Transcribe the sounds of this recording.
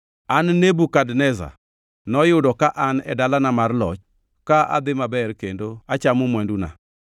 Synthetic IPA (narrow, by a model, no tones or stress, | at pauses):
anːebukadnɛza̰ | nɔjʊdɔkaʔanɛ̰dalanamarlɔ̰t͡ʃ | kaʔa̰d̪ɪmabɛrkendoat͡ʃamʊmwɛnduna̰